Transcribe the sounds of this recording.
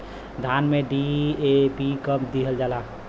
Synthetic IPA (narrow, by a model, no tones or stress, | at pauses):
d̪ʱanmeɖiepikəpd̪iɦəld͡ʒala